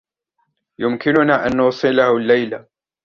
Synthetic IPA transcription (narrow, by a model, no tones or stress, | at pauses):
jʊmkɪnʊnaːʔanːʊːsˤɨlahʊlːajla